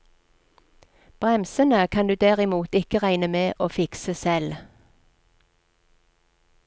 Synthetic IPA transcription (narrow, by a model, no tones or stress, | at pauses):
b̥ʁɛmsənəkʰɑnd̪ʉːd̪æʁɪmuːt̪ɪkəʁæɪnəmeːʔoːfɪksəsɛl